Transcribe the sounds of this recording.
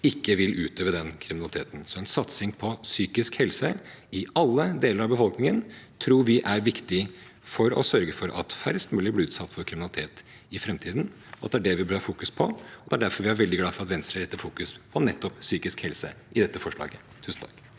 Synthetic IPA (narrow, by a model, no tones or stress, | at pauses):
ɪkːəʋɪlʔʉːt̪øːʋəd̪ɛnkʰɾɪmɪnɑlɪt̪ʰeːt̪n̩sɔɛnsɑt̪sɪŋpʰɔsyːkɪskhɛlsəɪɑlːəd̪eːləɾɑʋbəfɔlknɪŋənt̪ʰɾuːɾʋɪʔæɾʋɪkt̪ɪ | fɔɾɔ̰sœɾɡəfɔɾʔɑ̰t̪fæɾst̪mʉːlɪblɪʉːt̪sɑt̪ːfɔɾkʰɾɪmɪnɑlɪt̪ʰeːt̪ | ɪfɾɛmt̪ʰiːd̪n̩ | ɔɑ̰t̪d̪ɛæɖɛʋɪbøːɾɑfuːkʉspʰɔɔd̪ɛæɖæɾfɔɾʋɪæɾʋɛld̪ɪɡlɑːfɔɾɑt̪ʋɛnst̪ɾəɛt̪ːəfuːkʉspʰɔnɛt̪ːɔpsyːkɪskhɛlsə̰ | ʔɪd̪ɛt̪ːəfɔʂɭɑ̰ːɡə | t̪ʰʉːsn̩t̪ʰɑ̥k